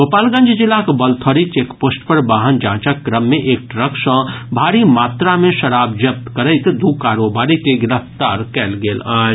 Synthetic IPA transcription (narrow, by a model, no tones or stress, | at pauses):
ʋopaːlɡə̃nd͡ʒd͡ʒɪlːakbəlt̪ʰɔɾit͡ʃekpoːsʈpəɾbaːɦənd͡ʒãːt͡ʃakːɾəmːeʔeːk̚ʈɾəksə̃bʱaːɾimaːt̪ɾamẽʃɐɾaːb̚d͡ʒɐp̚t̪kəɾəɪt̪d̪ukaːɾobaːɾikeɡɪɾəft̪aːɾkɛːlɡeːlaːd͡ʒ